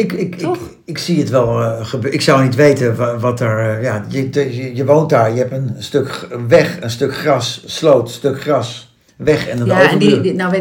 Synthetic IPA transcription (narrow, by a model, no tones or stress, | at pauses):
ɪkɪk | ɪksiətʋɛlˠχəbøɪksawnitʋejtənʋɑtɛɹjajəjəʋownt̚daːɹjəɦɛpənstøkʋɛχənstøkχrɑsːlowtstɵkχrɑs | ʋɛχɛnəowvən